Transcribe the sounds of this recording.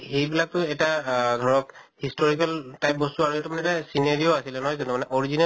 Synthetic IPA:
xejbilak̚tʊɛtadʱɔɹɔkhistɔɹikaltajp̚bɔstuaɹuetumanɛtasinaɹioasilɛnɔɦɔjzɔnumanɛʔɔɹizina

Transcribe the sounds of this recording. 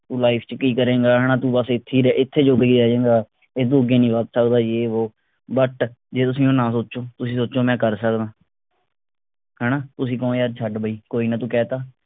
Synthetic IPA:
t̪ũːlaːipʰt͡ʃkiːkəɾeːɡaːɦɛːnaːt̪ũːbəsɪt̪ʰːiːɾɛʔɪt̪ʰːeːd͡ʒoːɡiːɾɛːd͡ʒẽːɡaː | eːd̪ũːɡeːnĩːʋət̪səkd̪aːjeːoː | bəʈd͡ʒeːt̪ʊsĩːõːnãːsoːʃoːt̪ʊsĩːsoːt͡ʃoːmɛ̃ːkəɾsəkd̪ãː | hɛːnaːt̪ʊsĩːkõːjaːɾt͡ʃʰəɖbəiːkoːiːnət̪ũːkɛːt̪aː

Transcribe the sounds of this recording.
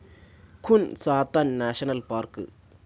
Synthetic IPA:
kʰunsaːt̪anːaʃɐnɐlpaɾkɨ̰

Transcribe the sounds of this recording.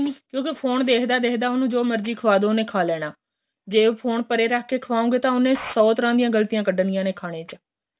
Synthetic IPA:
kjõːkɪpʰoːnd̪eːkʰd̪aːd̪eːkʰd̪aːʊnũːd͡ʒoːməɾd͡ʒiːkʰəʋaːd̪õːʊnẽːkʰaːlɛːɽaː | d͡ʒeːpʰoːɳpəɾeːɾaːkʰːeːkʰəʋaːõːŋɡeːt̪ãːʊnẽːsɔːt̪əɾãːd̪ijãːɡəlt̪ijãːkəɖənɪjãːneːkʰaːɽ̃eːt͡ʃ

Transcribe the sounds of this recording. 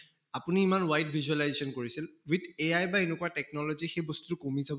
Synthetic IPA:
apuniːmanwajt̚bʱizualajzesɔnkoɹisilwiteajbaenekuatɛk̚nɔlɔzixejbɔstutʊkomizabɔ

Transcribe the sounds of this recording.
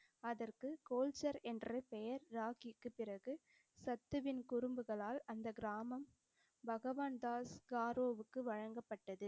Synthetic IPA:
ɐðɐrkɯkoːlt͡ʃɐɾɛndrɯpɛjɐɾːaːɣɪkːɯpːɪrɐɣɯ | sɐt̪ːɯʋɪnkʊɾʊmbɯɣɐɭaːlɐnd̪ɐɡɪɾaːmɐm | bɐɣɐʋaːnd̪aːskaːɾoːʋɯkːɯʋɐɻɐŋɡɐpːɐʈːɐðɯ

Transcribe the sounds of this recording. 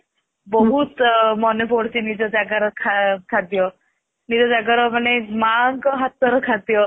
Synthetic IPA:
bɔɦut̪mɔnepoɽsinid͡ʑɔd͡zaɡaɾɔkʰakʰad̪jɔ | nid͡zɔd͡zaɡaɾɔmanemaŋkɔɦat̪̚ːɔɾɔkʰad̪jɔ

